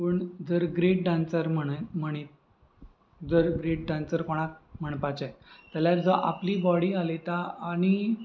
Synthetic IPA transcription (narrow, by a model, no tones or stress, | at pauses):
pəɳd͡zəɾɡɾeʈ̚ɖãnsəɾm̤əɳm̤əɽ̃it̪̚ | d͡zəɾɡɾeʈ̚ɖãnsəɾkoɽ̃ak̚m̤əɳpat͡ɕat̪aljad͡zəʔapliːbɔɽialet̪aaɽ̃i